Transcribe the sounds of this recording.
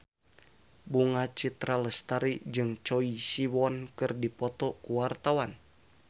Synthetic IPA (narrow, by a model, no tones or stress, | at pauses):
buŋat͡ʃit̪ɾaləst̪aɾiʔd͡ʒɨŋt͡ʃoisiwɔnkɨrdipɔt̪ɔkuwart̪awan